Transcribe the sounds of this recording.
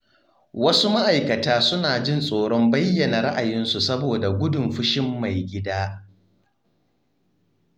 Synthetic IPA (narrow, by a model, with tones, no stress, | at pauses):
wɐ˦su˦ma˦ʔa˨jkɐ˨taː˦sʊ˦naː˨d͡ʒɪ˦nsʼoː˨ɽɔ˦mbɐ˦jːɐ˨na˨ɾa˦ʔa˨jɪ˦nsu˨sɐ˦boː˨da˨ɡʷʊ˦dʊ˨mɸʊ˦ʃɪ˦mːa˨jɡʲɪ˦daː˦